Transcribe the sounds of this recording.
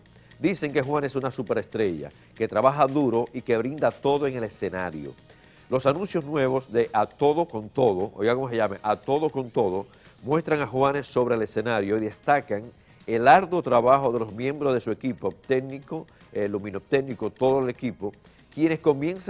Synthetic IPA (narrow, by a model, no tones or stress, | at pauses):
d̪ise̞ŋke̞xwane̞s̬unasupe̞ɾe̞st̪ɾe̞ʝa̰ | ke̞t̪ɾaβaɦaðuɾo̞ʔike̞βɾind̪at̪o̞ðoe̞ŋe̞le̞se̞naɾjo̰ | lo̞sanũnsjoznwe̞βo̞sðe̞ʔat̪o̞ðo̞ko̞nt̪o̞ðoʔo̰ʝakomoseʝameʔat̪o̞ðoko̞nt̪o̞ðo̞ | mwe̞st̪ɾaŋaxwane̞sːo̞βɾeːle̞se̞naɾjo̞iðe̞st̪akaŋ | e̞laɾðo̞t̪ɾaβaxo̞ðe̞lo̞zmjẽ̞mbɾozðe̞sue̞kipot̪eniko | elumĩnopt̪enikot̪o̞ðoelekipo̞ | kje̞ne̞sko̞mje̞ns